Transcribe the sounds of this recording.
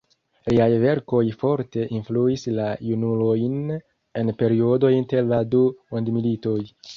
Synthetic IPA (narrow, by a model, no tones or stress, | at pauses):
liajve̞ɾko̞jfo̞ɾte̞ʔinfluislajunulo̞jn | e̞npe̞ɾio̞do̞jinte̞ɾladumondmilito̞j